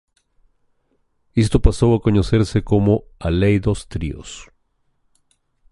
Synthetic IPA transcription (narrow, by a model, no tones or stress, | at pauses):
est̪o̞paso̞ako̞ɲo̞se̞ɾse̞ko̞mo̞alejðost̪ɾḭo̰s